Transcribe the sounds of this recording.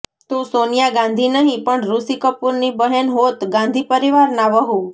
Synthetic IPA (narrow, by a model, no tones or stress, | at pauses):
t̪ũsonjaɡãnd̪ʱinəɦĩpəɳɾusikəpuɾnibəɦenɦot̪ɡãnd̪ʱipəɾiʋaɾnaʋəɦũ